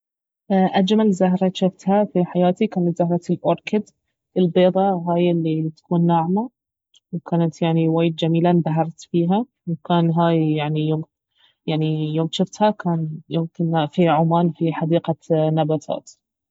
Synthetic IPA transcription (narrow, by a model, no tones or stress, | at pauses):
ʔʔad͡ʒmalzaɦɾˤɑʃɪft̪hafiħajaːt̪ikaːnat̪zaɦɾˤɑt̪lʔʊɾˤkɪd̪ | ʔɪlbeːd̪ˤɑɦaːjɪlːit̪ḁkuːnːaʕma | wkaːnat̪jaʕniwaːjd̪̚d͡ʒamiːland̪aɦɑɾˤt̪fiːɦa | wkaːnɦaːjjaʕnijoːm | jaʕnijoːmʃɪft̪hakaːnjoːmkɪnafiʕʊmaːnfiħɑd̪iːqanabat̪ʰa̰ːt̪